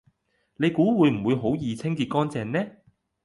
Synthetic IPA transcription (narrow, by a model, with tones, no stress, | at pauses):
ne˨˧jkuː˨˥wuː˨˧jm̩˨˩wuː˨˧jɦo˨˥wjiː˨˩t͡sʰɪ˥ŋkiː˧t̚kɔː˥nt͡sɛː˧nnɛː˥